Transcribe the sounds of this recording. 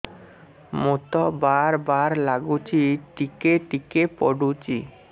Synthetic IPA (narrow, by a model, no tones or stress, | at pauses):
mot̪ɔbaɾbaɾlaɡut͡ɕiʈikeʈikepɔ̰ɖut͡ɕi